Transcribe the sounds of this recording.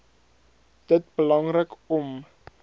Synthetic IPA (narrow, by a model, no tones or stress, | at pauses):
d̥ət̚bəlɐŋrəkɔm